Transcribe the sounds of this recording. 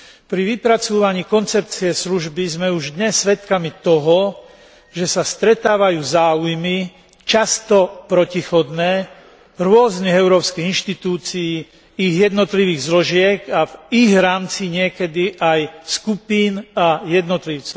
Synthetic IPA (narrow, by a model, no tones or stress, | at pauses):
pɾiʋipɾat͡suːʋaɲiːkɔnt͡sɛp̚t͡siɛsluʒbizmɛuʒd̪ɲɛsːʋɛt̪kamit̪ɔɦɔ | ʒɛsast̪ɾɛt̪aːʋajuːzaːujmi | t͡ʃast̪ɔpɾɔcixɔd̪nɛː | ɾʊɔzniɣɛʊɾɔːpskiɣinʃt̪it̪uːt͡sijː | iɣjɛd̪nɔt̪liʋiːɣzlɔʒɪɛɡaviɣɾaːmt͡siɲɪɛkɛd̪iʔajskupiːnajɛd̪nɔt̪liʊt͡sɔ